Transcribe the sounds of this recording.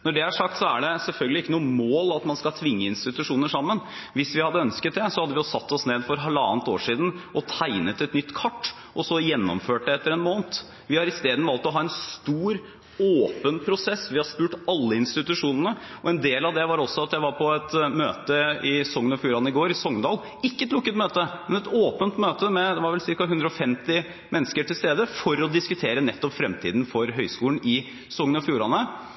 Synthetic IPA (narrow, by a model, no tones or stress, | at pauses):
nɔɖɛæʂɑk̚t̪sɔæɖɛsɛlfœlɡəlɪɪkːənuːəmoːlɑt̪mɑnskɑlt̪ʰʋɪŋːəɪnst̪ɪt̪ʉʂuːnəʂɑmːənʋɪsʋɪhɑd̪ːəœnskət̪̚d̪ɛsɔhɑd̪əʋɪɔsɑt̪ːɔsneːd̪fɔɾɦɛlɑ̰ːnt̪o̰ːʂiːd̪n̩ʔɔt̪ʰæɪnət̪ɛt̪nʏt̪ːkʰɑʈː | ʔɔsɔjɛnːɔ̰mføːʈ̚d̪ɛɛt̪ːəɾɛnmoːnt̪ | ʋɪhɑɾɪst̪eːd̪n̩ʋɑːlt̪ɔɦɑːɛnst̪uːɾ | oːpənpʰɾʊsɛsːʋɪhɑɾʂpʉːʈɑlːəɪnst̪ɪt̪ʉʂuːnənəɔɛnd̪eːlɑʋd̪ɛʋɑɾɔsːɔɑt̪jæɪʋɑɾpʰɔɛt̪møːt̪əɪsɔŋːənɔfjuːɾɑnəɪɡoːɾɪsɔŋd̪ɑːl | ɪkːəɛt̪lʊkːət̪møːt̪əmɛnɛt̪oːpənt̪møːt̪əmɛd̪ɛʋɑɾʋɛlsɪɾkɑɦʉnd̪ɾəɔfɛmt̪ɪ | mɛnːəskəʈʰɪlst̪eːd̪əfɔɾɔd̪ɪskʉt̪ʰeːɾənɛt̪ːɔpfɾɛmt̪ʰḭːd̪n̩fɔɾɦœʏskuːln̩ʔɪ | sɔŋːənɔfjuːɾɑnə